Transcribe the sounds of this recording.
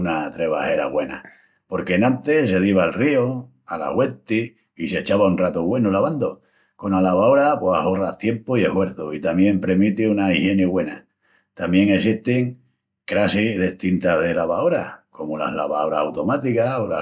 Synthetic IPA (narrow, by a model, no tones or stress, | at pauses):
unat̪ɾeβa̰he̞ɾa̰βwe̞na̰ | po̞ɾke̞nãnt̪es̬e̞ð̞iβ̞aːlrio | ala̰ɣwe̞t̪i | iset͡ʃaβaunrat̪oβwe̞nolaβand̪o | ko̞nalaβaoɾapwoa̰horaht̪je̞mpoie̞hwe̞ɾθoit̪amjẽ̞mpɾe̞mit̪iunaihje̞niɣwe̞na̰ | t̪amje̞ŋe̞siht̪eŋ | kɾasiðeht̪int̪að̞e̞laβaoɾako̞mola̰hla̰βaoɾasawt̪o̞mat̪ikaola